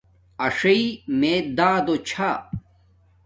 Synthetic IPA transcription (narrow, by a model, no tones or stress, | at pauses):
ɐʂɐimed̪aːd̪ot͡ɕʰa